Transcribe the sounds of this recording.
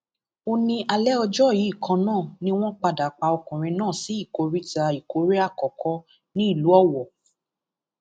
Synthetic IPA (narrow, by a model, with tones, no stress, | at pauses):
o˧nĩ˧ʔa˧lɛ˦ɔ˧d͡ʒɔ˦˨ji˨˦i˦˨kʰã˧nãː˦˨nĩ˦w̃ɔ̃˦k͡pa˧da˨k͡pa˧ɔ˧kũ˨ɾ̃ĩ˧nãː˦˨si˨˦i˦˨ko˨˧ɾi˦ta˧i˨ko˨˧˦ɾe˦a˦˨kɔ˨kʰɔ˧˦ | nĩ˦i˦˨lu˨˦ɔ˦wɔ˨